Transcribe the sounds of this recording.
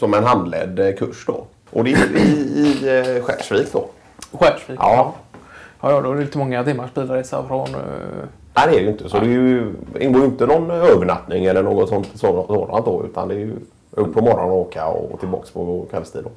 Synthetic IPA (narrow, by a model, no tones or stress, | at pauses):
sɔmɛnɦand̪lɛ̰ːd̪kʰɵʂd̪ɔ̰ | ʔɔd̪ɛjɪɪɧæ̰ːʂviːkd̪ɔ | ɧɛːʂviʔɑː | jɑːjɑd̪ɛɾɪlɪt̪ːəmɔŋːat̪ɪmːaɾʂpiːlɾesa̰fɾɔn | næɪd̪ɛæɖɛjʏɪnt̪əsɔd̪ɛjɵɪ̰nɡoːjɪnt̪ənɔnøːvəɳat̪nɪŋɛlːəɳoːɡɔt̪sɔnt̪sosoːd̪a̰nt̪̚d̪ɔʉ̟ːt̪ʰa̰nd̪ɛæjɵ | ɵpːɔmɔɾɔnnɔoːkʰaɔ̰t̪ʰɪlbɑ̰ːkspʰɔkʰɛlst̪ʰḭːd̪ɔ